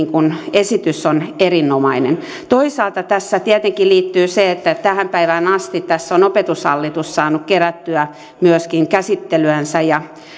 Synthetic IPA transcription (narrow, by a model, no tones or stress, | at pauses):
ŋkunesit̪ysːonerinːomɑinḛn | t̪oisɑːlt̪ɑt̪æsːæt̪iɛt̪eŋkiliːt̪ːyːseet̪ːæt̪æhæmpæiʋænɑst̪it̪t̪æsːonopet̪ushɑ̰lːit̪ussɑːnukkeræt̪ːyæ | myøskiŋkæsit̪ːelyænsæjɑ